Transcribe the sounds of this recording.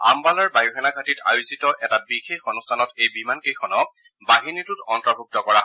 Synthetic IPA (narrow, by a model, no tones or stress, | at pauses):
a̰mbalaɹbajuxɛnaɡʱatita̰jʊzitɔʔɛtabixexɔnustʰanɔtejbimankejxʰɔnɔ | baɦinitʊtɔntɹɔbʱuk̚tɔkɔɹa